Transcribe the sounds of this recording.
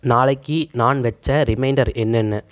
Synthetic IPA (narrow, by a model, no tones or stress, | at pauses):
naːɭɐɪkːinaːnʋɛt͡ʃːɐɾɪmɐɪɳɖɐɾɛnːɛnːɯ